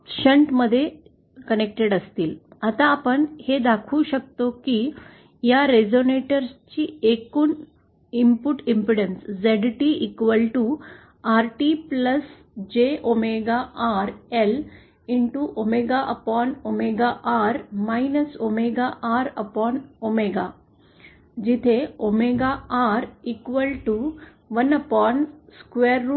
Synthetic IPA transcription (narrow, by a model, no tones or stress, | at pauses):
ɕəɳʈməd̪ʱːje | kənek̚ʈeɽəst̪iːlat̪ãːpəɳhed̪akʰuːɕək̚t̪oki | jaɾed͡zoneʈəɾst͡ɕiːekuːn | impuʈimpɾiɽənsd͡zeɖʈiikʋəlʈu | aɾʈipləs | d͡ʒeːʔomeːɡaːʔaːɾel | iɳʈuʔomeɡaːʔɐpaːnomeːɡaːʔaːɾmɐjnɐsomeːɡaːʔaːɾɐpɔːnomeɡaː | d͡ʒit̪ʰeomeːɡaːaːɾikʋɐlʈu | ʋɐnɐpɔːnskʋeːɾː